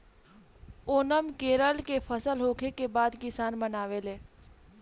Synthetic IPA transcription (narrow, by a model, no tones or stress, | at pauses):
oːnəmkeːɾəlkepʰəsəlɦoːkʰekebaːd̪kɪsaːnmənaːʋeleː